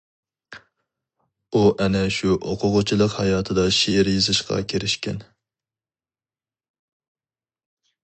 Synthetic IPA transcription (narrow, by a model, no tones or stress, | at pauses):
uʔɛnɛʃuoqʰʊʁʊt͡ʃʰilˠəqhɑjɑːt̪ʰɨd̪ɑʃeɪɾjizɨʃqɑ̰kʲʰeɾɪʃkʲɛ̰n